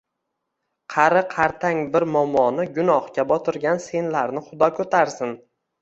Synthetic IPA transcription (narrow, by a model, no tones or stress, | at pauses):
qʰɑɾɪqʰɑɾt̪ʰaŋbɪɾmɒmːɒnɪɡʊnɒhkʲabɒt̪ʰɪɾɡʲanse̞nlaɾnɪχʊd̪ɒkʰɵt̪ʰaɾsɪn